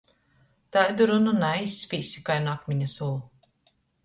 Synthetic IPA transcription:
t̪ajd̪uɾununajisːpʲiːsʲi̥kajnakmʲiɲasulˠu

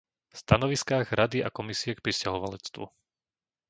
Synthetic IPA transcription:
fst̪anɔʋiskaːɣɾad̪iakɔmisiɛk̚pɾiscaɦɔʋalɛt͡st̪ʋṵ

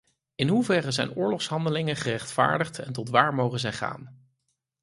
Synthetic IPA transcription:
ɪnɦuvɛrəzɛ̰jnʊːɹlɔχsɦɑndəlɪŋəχərɛχtfa̰ːɹdəχtɛ̰ntɔtʋaːɹmowχəzɛjχa̰ːn

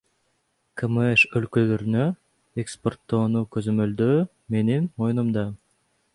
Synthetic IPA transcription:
kʰemeʃølkølø̞ɾynø | ekspo̞rt̪ːo̞ːnukø̞zø̞mø̞ld̪øː | me̞ninmo̞junumd̪ɑ

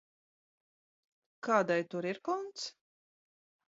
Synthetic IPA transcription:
kaːd̪ajt̪uɾiɾkɔnt̪s

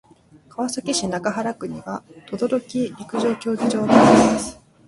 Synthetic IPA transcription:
kʰaβasakʲiɕinakaɦaɾakɯ̟ɲ̟iβat̪o̞d̪o̞ɾo̞kʲiɾʲikɯ̟ʑo̞ːkʲo̞ːɡʲiʑo̞ːt̪ad̪asɨ̥

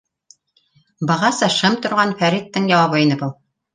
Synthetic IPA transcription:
bɑʁɑsɑʃɤmt̪ŏɾʁɑnfæɾit̪ːɤŋjɑwɑβɤinɤbulˠ

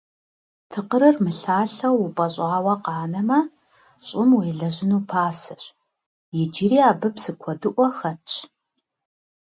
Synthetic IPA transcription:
tʰɨqəɾɨrmɨɬaːɬɐwʊpʼɐɕʼaːwɐqɑːnɐmɐ | ɕʼɪmweːɮɐʑɪnuːpʰaːsɐɕ | jɛd͡ʒiriːaːbɨpsɨkʷʰɔdɨʔʷɔxɐt͡ʃʰ

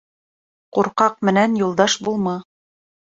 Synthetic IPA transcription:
quɾqɑq̚mɘ̆nænjulˠd̪ɑʃbulˠmɤ

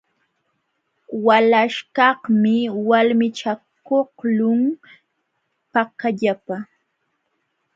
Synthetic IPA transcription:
walaʃkɑhmɪwalmɪt͡ʃakohlʊŋ | pakaʎapa

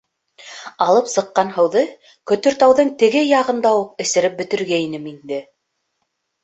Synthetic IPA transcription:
ɑlˠɤpsɤ̆qːɑnɦɤ̆wðɤ | kɵ̆t̪ɵɾt̪ɑwðɤɴt̪ɘ̆ɡɘjɑʁɤ̆nd̪ɑwuq̚ɘ̆sɘ̆ɾɘp̚bɘ̆t̪ɘ̆ɾɡæinɘmind̪ɘ

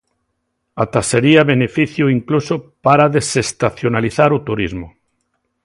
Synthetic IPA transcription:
at̪aseɾiaβenefiθjuiŋklusopaɾaðesest̪aθjonaliθaɾut̪uɾizmo

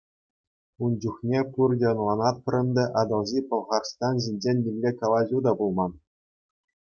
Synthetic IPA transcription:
und͡ʑuχnʲepurdʲɤ̆ɤnlˠɑnɑt̪̚pʲɘ̆rʲɘ̆nʲd̪ʲɘ̆ʔɑd̪ɤ̆lˠʑipɤ̆lˠʁɑrst̪ɑnʑinʲd͡ʑenʲːimʲlʲekɑlˠɑʑʲud̪ɑbulˠmɑn

